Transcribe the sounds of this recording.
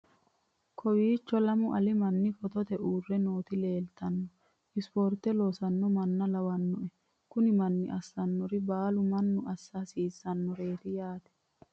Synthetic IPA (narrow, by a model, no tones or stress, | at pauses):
kʰɔwiːt͡ʃːɔlɐmʊʔɐlɪmɐnːɪfɔt̪ɔt̪ɛʔuːrːɛno̞ːt̪ɪle̞ːlt̪ɐnːɔ | ʔɪspoːɾt̪ɛloːsɐnːɔmɐnːɐlɐwɐnːɔʔɛ | kʊnɪmɐnːɪʔɐsːɐnːɔɾɪbaːlʊmɐnːʊʔɐsːaːsiːsːɐnːɔɾe̞ːɾɪjaːt̪ɛ̥